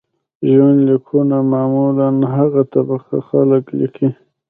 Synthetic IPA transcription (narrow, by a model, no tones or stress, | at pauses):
ʒwanlikʰunamamulanɦaɣat̪abaxa̰xa̰ləklḭkʰi